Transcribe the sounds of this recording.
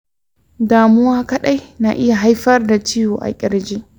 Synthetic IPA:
daː˨mʊ˦waː˦kɐ˦ɗa˦jna̰˨ʔɪ˦ja˨ɦa˦jɸɐ˦rda˨t͡ʃi˦joː˨ʔa̰˨kʲʼɪ˦ɾd͡ʒiː˦

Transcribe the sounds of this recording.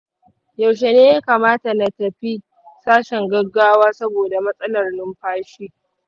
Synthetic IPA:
jɐ˨wʃ̬e˨neː˦jaː˦kaː˨maː˦ta˨na˨tɐ˨ɸi˦ | saː˦ʃɛ˨ŋɡɐ˦ɡaː˦waː˦sɐ˦boː˨da˨mɐ˦sʼɐ˦lɐ˨rnɪ˦mɸaː˦ʃiː˦

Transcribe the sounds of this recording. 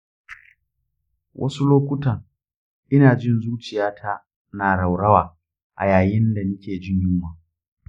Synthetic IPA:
wʔɐ̰˦su˦loː˦kʷʊ˦tɐ˨ŋ | ʔɪ˦naː˨d͡ʒɪ˦nzuː˦t͡ʃɪ˨jaː˦tʰa˦ | naː˨ɽa˨wɽɐ˦waː˨ | ʔa̰˨jaː˨jɪ˦nda˨nʊ˦kʲʰeː˨d͡ʒɪ˦ɲjuː˦maː˨

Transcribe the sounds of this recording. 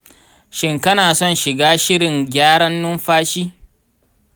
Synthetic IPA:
ʃɪ˦ŋkɐ˦naː˨sɔ˦˨nʃɪ˨ɡaː˦ʃɪ˦ɽɪ˨ŋɡʲaː˦ɽɐ˦nːʊ˦mɸaː˦ʃiː˦

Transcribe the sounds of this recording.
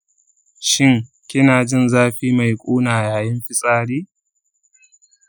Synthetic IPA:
ʃɪ˦ŋ | kʲɪ˦naː˨d͡ʒɪ˦˨nzaː˦ɸiː˦ma˨jkʷʼuː˦naː˨jaː˨jɪ˦mɸɪ˦sʼaː˦ɽiː˦

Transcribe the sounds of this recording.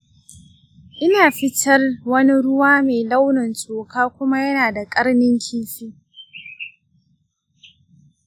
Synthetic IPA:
ʔɪ˦naː˨ɸɪ˦tʰɐ˦rwɐ˦ni˦ɽʊ˦waː˦meː˨la˦wnɐ˨nsʼoː˨kaː˦kʷʊ˦ma˦jɐ˦naː˨da˨kʼɐ˦ɽnɪ˦ŋkʲʰiː˦ɸiː˦

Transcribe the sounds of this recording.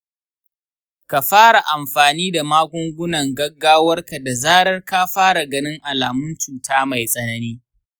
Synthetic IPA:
ka˨ɸaː˦ɽa˨ʔa˨mɸaː˨niː˦da˨maː˦ɡʷʊ˦ŋɡʷʊ˦nɐ˨ŋɡɐ˦ɡːaː˦wɐ˦rka˨da˨zaː˦ɽɐ˦rka˦ɸaː˦ɽa˨ɡɐ˦nɪ˦ŋʔa˨laː˨mʊ˦nt͡ʃuː˨taː˦ma˨jsʼɐ˦nɐ˦niː˦

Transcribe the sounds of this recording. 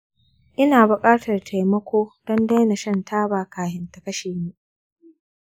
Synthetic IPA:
ʔɪ˦naː˨bʊ˨kʼaː˦tʰɐ˨rtʰa˨jmɐ˦kʷoː˦d̥ɔ˦nda˦jna˨ʃɐ˦ntʰaː˦baː˨kaː˨hɪ˨ntɐ˨kɐ˦ʃeː˨mu˦ʔ

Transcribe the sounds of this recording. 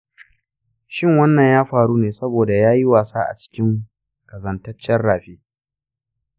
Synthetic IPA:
ʃɪ˦˨ŋwɐ˦nːɐ˨ɲjaː˦ɸaː˨ɽuː˦neː˨sɐ˦boː˨da˨jaː˦ji˦waː˨saː˦ʔa̰˨t͡ʃɪ̥˦kʲɪ˦ŋ | kɐ˨zɐ˨ntɐ˦t͡ʃːɛ˦rɽaː˨ɸeː˦

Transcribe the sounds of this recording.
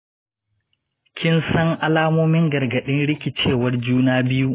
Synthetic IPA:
kʲʰɪ˦nsɐ˦ŋʔa˦laː˦moː˦mɪ˦ŋɡɐ˨rɡɐ˨ɗɪ˦nɽɪ˦kʲɪ˨t͡ʃeː˦˨wɐ˦rd͡ʒuː˦naː˦bɪ˦ju˦ʔ

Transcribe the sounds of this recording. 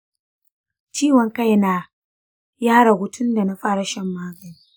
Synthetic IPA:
t͡ʃiː˦wɐ˨ŋka˦˨jna˦ | jaː˦ɽa˨ɡʷʊ˨tʰʊ˦nda˨na˦ɸaː˦ɽa˨ʃɐ˦mːaː˦ɡɐ˨niː˦

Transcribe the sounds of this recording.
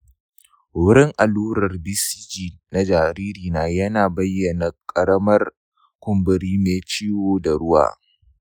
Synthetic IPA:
wʊ˦ɾɪ˦ŋʔa˨luː˦ɾɐ˨rbi˦si˦d͡ʒiː˨na˦d͡ʒaː˨ɾiː˦ɾiː˨naː˨˦jɐ˦naː˨bɐ˦jːɐ˨na˨kʼɐ˨ɽɐ˦mɐ˦r | kʷʊ˨mbɪ˨ɾiː˦meː˨t͡ʃiː˦woː˨da˨ɽʊ˦wa̰ː˨

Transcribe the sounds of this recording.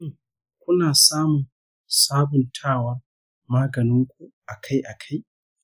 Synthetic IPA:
ŋ | kʷʊ˦naː˨saː˦mʊ˨ | saː˦bʊ˨ntʰaː˦˨waː˦ | maː˦ɡɐ˨nɪ˦ŋkʷu˦ʔa˨kʰa˦jʔa˨kʰa˦j

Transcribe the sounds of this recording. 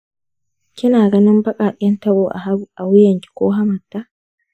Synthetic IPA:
kʲɪ˦naː˨ɡɐ˦nɪ˦mbɐ˦kʼaː˨ʔʲʼɛ˦ntɐ˦boː˨ʔʔa˨wʊ˦jɐ˨ŋkʲɪ̥˦kʷoː˦ɦa˦mɐ˨tːa˦ʔ

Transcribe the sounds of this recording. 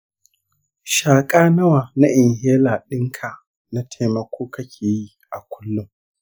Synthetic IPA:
ʃaː˨kʼaː˦nɐ˦waː˨na˦ʔɪ˨ŋheː˦laː˨ɗɪ˦ŋkʰa˨ | na˦tʰa˦mɐ˦kʷʰoː˦kʰɐ˦kʲʰeː˨ji˦ | ʔa˨kʷʊ˦lːʊ˦m

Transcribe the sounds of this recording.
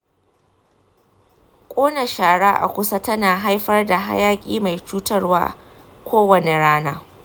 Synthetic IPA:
kʷʼoː˦nɐ˨ʃaː˨ɽaː˦ʔa̰˨kʷʊ˦sa˦tɐ˦naː˨ɦa˦jɸɐ˦rda˨ɦa̰˦jaː˦kʲʼiː˦ma˨jt͡ʃuː˦tɐ˦rwa̰ː˦ | kʷoː˦wɐ˨ne˨ɽaː˦naː˦

